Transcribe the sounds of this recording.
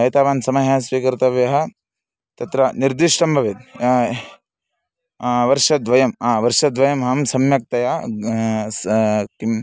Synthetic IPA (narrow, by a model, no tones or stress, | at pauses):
ɐt̪aːʋaːnsɐmɐɦaːsʋiːkɐɾt̪ɐʋjɐɦɐ̆ | t̪ɐt̪ɾɐniɾd̪iʂʈɐmbʱɐʋet̪a | ʋɐɾʂɐd̪ʋɐjɐmaːʋɐɾʂɐd̪ʋɐjɐmɦɐmsɐmjɐk̚t̪ɐja | skim